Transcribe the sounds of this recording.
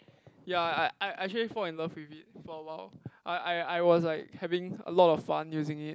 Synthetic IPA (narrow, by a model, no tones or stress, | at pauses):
jaaɪaɪʔɛk̚t͡ʃəlifɔlɛ̃nləfwivit̚fɔwaʊʔaɪʔaɪaɪwɔslaɪk̚hɛvɪ̃ŋə̰lɔtɔffãnjuzɪ̃ŋit̚